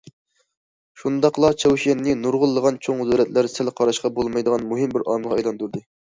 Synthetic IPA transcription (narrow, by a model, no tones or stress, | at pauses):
ʃund̪ɑqlˠɑt͡ʃʰɛwʃɛnːɪnuɾʁʊlˠːəʁɑnt͡ʃʰoŋzuɾɛt̪læɾsɪlqʰɑɾɑʃqɑbolˠmɑjd̪əʁɑnmuɦɪmbɪɾʔɑ̰mʁɑɑjlˠɑnt̪uɾd̪ɨ